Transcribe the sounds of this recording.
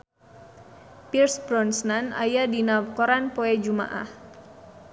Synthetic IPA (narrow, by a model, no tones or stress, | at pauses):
pirsbɾɔnsnana̰jadinawkɔɾanpoed͡ʒuma̰ʔa̰h